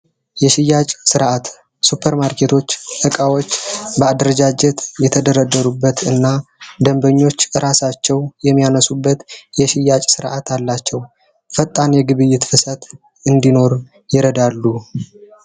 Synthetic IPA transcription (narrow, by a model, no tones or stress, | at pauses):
jɛʃɪjːat͡ʃʼsɨɾʔat̪ | supʰəɾmaɾkʰe̞t̪ʰo̞t͡ʃːʔɨkʼawo̞t͡ʃːbəad̪ɾəd͡ʒad͡ʒɛt̪jɛt̪ʰəd̪əɾəd̪əɾubːət̪ɨnːad̪əmbəɲːo̞t͡ʃːɨɾʔasat͡ʃːɛwjɛmːijanəsubːət̪jɛʃɪjːat͡ʃʼsɨɾʔat̪ʰalːat͡ʃːɛw | fət̪ʼːanjɛɡɨβɨjːɪt̪fɨsət̪ | ɨnd̪ino̞ɾ | jɪɾəd̪alːu